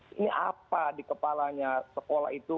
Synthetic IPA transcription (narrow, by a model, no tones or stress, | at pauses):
iniʔa̰padikəpalaɲasəkola̰ɦit̪u